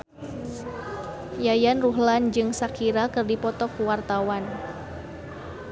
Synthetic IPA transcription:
jajanruɦland͡ʒɨŋsakiɾakɨrdipɔt̪ɔkuwart̪awan

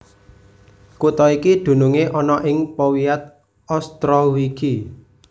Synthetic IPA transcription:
kut̪ɔikid̪̥ṳnuŋeʔɔnɔʔɪŋpɔwiat̪̚ | ɔst̪ɾɔwiki

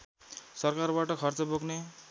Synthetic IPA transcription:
sʌrkarbaʈʌkʰʌrt͡sʌboɡne

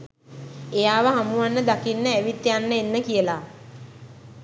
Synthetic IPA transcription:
ejaːʋəɦamuʋanːəd̪akinːəæʋit̪ːjanːəenːəkijəla

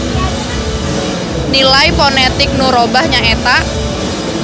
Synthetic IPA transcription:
nilaiponet̪ɪk̚nuɾobahɲaet̪aʔ

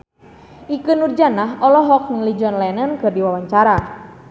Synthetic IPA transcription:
ʔikɨnurd͡ʒanaɦɔlɔɦɔk̚niŋlid͡ʒɔnlanənkɨrdiwawaɲt͡ʃaɾa

